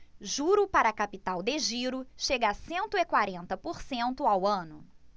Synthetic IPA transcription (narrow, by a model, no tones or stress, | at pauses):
ʒuɾʊpaɾɐkapit̪awd̪eʒiɾʊʃeɡasẽnt̪ʊɪkwaɾẽnt̪ɐpoɾsẽnt̪ʊawɐ̃nʊ